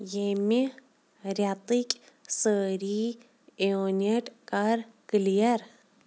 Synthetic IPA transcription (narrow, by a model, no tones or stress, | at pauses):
jemi | ɾjat̪ikʲ | səɾi | eoniɐʈkɐɾklijɐɾ